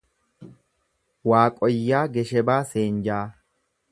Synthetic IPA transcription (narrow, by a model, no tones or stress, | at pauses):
waːkʼɔjːaːɡɛʃɛbaːseːnd͡ʒaː